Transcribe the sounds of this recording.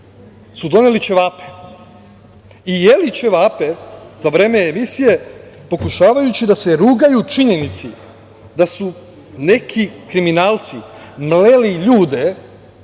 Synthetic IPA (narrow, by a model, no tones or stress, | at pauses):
sud̪o̞nelit͡ʃe̞ʋaːpe̥ | ijelit͡ʃe̞ʋaːpe̞zaʋɾe̞ːme̞ːmisije̞po̞kuʃaːʋajut͡ɕid̪ase̞ɾuːɡajut͡ʃiɲe̞nit̪si | d̪asu | ne̞kʰikɾiminaːlˠt̪simleliʎuːd̪e̞